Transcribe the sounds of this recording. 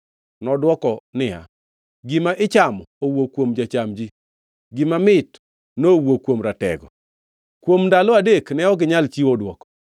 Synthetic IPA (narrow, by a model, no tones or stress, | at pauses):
nɔdwɔkɔnɪa̰ | ɡɪmaʔɪt͡ʃamowokwomd͡ʒat͡ʃamd͡ʒi | ɡɪmamɪt | nowokwomɾatɛ̰ɡɔ | kwomndalɔadeknɛɔɡɪɲalt͡ʃiodwɔkɔ̥